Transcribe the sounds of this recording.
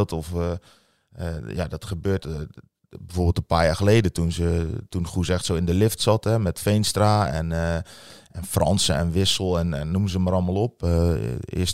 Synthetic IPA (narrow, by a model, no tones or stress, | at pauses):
lˠtɔf | jadɔtxəbøːt | bəfoːbɪlˠtəpaːrjaːxəleːdətunzətunxusəɛxtsoːɪndəlɪftsɑtɛmɛtfejnstraːɛ̰n | ɛnfrɔ̰nsəɛ̰nʋɪsəl̩ˠɛnɛnːuməzəməɾɔlˠməlˠop̚ | ɪ̰əs